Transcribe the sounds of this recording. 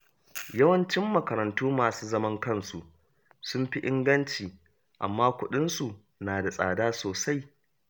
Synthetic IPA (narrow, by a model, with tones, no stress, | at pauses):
jɐ˦wɐ˦nt͡ʃɪ˦mːɐ˨kɐ˨ɾɐ˨ntuː˦maː˨suː˦zɐ˦mɐ˦ŋkɐ˦˨nsu˨ʔ | sʊ˦mɸi˦ʔɪ˦ŋɡɐ˦nt͡ʃiː˨ | ʔa̰˨mːaː˦kʷʊ˦ɗɪ˦nsu˨ | naː˨da˨sʼa̰ː˨daː˦soː˨sa˦j